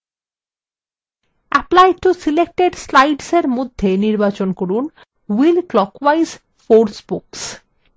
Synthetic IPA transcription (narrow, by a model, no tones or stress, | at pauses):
ɛplajʈusilek̚ʈeɖslajɖseɾmod̪ʱːeniɾbat͡ɕonkoɾun | wilklɔkwajz | foɾsbuks